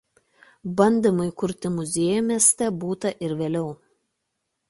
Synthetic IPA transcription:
bɐnʲd̪ʲɪmɐɪkʊɾʲt̪ʲɪmʊzʲeːjomʲiɛsʲt̪ʲɛbuːt̪ɐʔɪɾʋʲeːlʲɛʊ

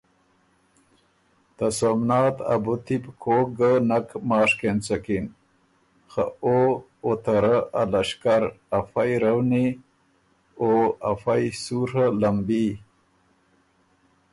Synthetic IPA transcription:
t̪asomnɑːt̪a̰but̪ipkʰoɡənakmɑːʂkent͡sakin | xa̰o | ot̪aɾaalaʃkaɾ | afajɾawni | oafajsuɾəlambi

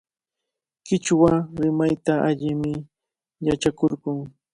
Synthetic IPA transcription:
kɪt͡ʃwaɾɪmajt̪aʔaʎɪmɪ | jat͡ʃakoɾɢʊŋ

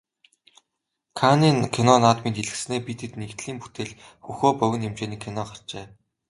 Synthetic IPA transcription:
kʰaniːnkʰinɔnaːt̪mint̪iɮɘ̆ksneːpit̪ʰĕt̪nekt̪ɮiːmpu̥t̪eːɮ | xuxoːpœɣʲɪ̆nemt͡ɕeːniːkʰinɔχar̥t͡ɕeː

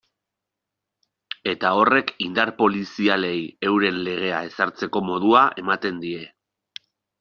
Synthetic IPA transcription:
e̞t̪ao̞re̞kind̪aɾpo̞lisiale̞je̞wɾe̞nle̞ɣ̞e̞ae̞saɾt͡se̞ko̞mo̞ðuaʔe̞mat̪e̞nd̪ie̞

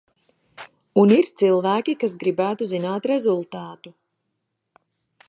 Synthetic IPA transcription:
uniɾt̪silˠvæːkʲikasɡɾibæːt̪uzinaːt̪ɾɛzulˠt̪aːt̪u

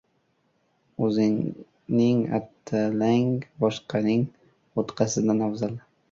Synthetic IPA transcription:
ɵzɪŋ | nɪŋa̰t̪ʰːalaŋbɒʃqʰɑnɪŋ | ot̪qʰɑsɪd̪anɒwzal

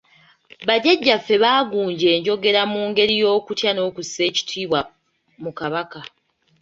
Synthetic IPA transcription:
βaɟeɟːafːe̞βaːɡuːɲɟe̞ːɲɟo̞ɡe̞ɾamuːŋɡe̞ɾijo̞ːkutjano̞ːkusːe̞ːci̥tʰiːβwa | mukaβaka

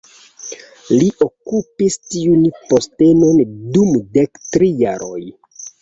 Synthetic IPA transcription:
liʔokupistiunpo̞ste̞no̞ndumdektɾijaɾo̰j

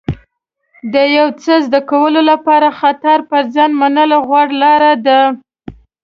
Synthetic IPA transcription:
d̪əjawt͡səzd̪akawəlolapɑɾaxat̪aɾpəɾzɑnmanəlɣwɑɽlɑɾad̪a

